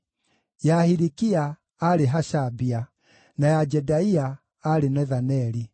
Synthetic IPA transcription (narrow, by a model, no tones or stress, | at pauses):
jahiɾikiaː | ɾeɦaʃabia | najad͡ʒɛdaiaː | ɾenɛðanɛɾi